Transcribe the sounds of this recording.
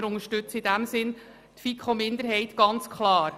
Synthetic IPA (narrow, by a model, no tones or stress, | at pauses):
ɾʊŋəɾʃtʉt͡sɪdæmsɪn | t̪fikχomɪnd̪əɾɦɛɪt̪ɡ̥ɑnt͡skχlɑːɾ